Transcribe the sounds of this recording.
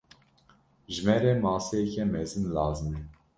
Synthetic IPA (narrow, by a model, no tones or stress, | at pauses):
ʒɨmɛɾemɑːsɛɛkʰɛmɛzɨnlɑːzɨmɛ